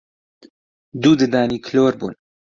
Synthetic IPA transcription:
d̪uːd̪ɨd̪aːniːkʰloːɾbṵːn

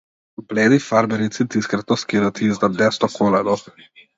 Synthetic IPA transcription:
pleːd̪ifaɾbɛɾit̪sit̪iskɾat̪ɔskiɾat̪izd̪ad̪ɛst̪ɔkʰolɛd̪ɔ

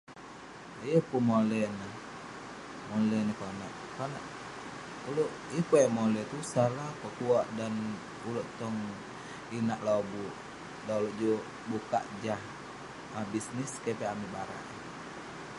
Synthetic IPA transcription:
jəpumolɛnə | molɛnəkonaʔ | kanaʔ | uloʔ | jəhpojamolɛt̪usalahpəkuaʔdan | uloʔt̪ɔŋ | inaʔlobuʔ | dauloʔd͡ʒo | buka̰ʔd͡ʒah | abisniskepɛamibaɾa̰ʔ

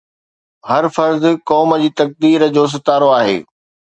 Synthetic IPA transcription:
hɐɾfɐɾzkɔːməd͡ʑiːt̪ɐk̚d̪iːɾə̆d͡ʑoːs̬ɪt̪aːɾoaːɦḛː

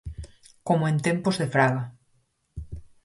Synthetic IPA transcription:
komoẽnt̪ẽmpozðefɾaɣa

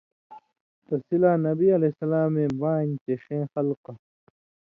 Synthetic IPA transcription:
t̪ɐsilaːnɐbiɐlesɐlaːmẽːbaːnt̪eɕẽːxɐlqa

